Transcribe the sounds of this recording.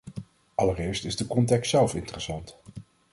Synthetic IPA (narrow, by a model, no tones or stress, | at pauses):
ʔɑlərɪːɹstɪzdəkɔntɛkstsɛlˠfɪ̰ntərəsɑnt